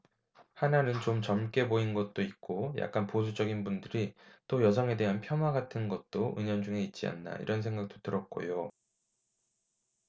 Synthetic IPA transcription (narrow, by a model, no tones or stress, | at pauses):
hananɯnt͡ɕomt͡ɕʌmk͈e̞boinɡʌt̚t͈oik͈oja̰k̚k͈anpos̬ʰud͡ʑʌɡinbundɯɾit͈ojʌs̬ʰʌŋe̞de̞ɦanpʰjʌnwaɡatʰɯnɡʌt̚t͈oʔɯɲʌnd͡ʑuŋe̞it̚t͡ɕ͈ia̰nːa̰ḭɾʌnsʰe̞ŋɡak̚t͈o̥t͈ʰɯɾʌk̚k͈o̰jo